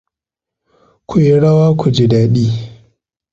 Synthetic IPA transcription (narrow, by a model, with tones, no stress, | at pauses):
kʰʷu˨je˨ɽɐ˦waː˦kʷu˨d͡ʒi˦daː˨ɗiː˦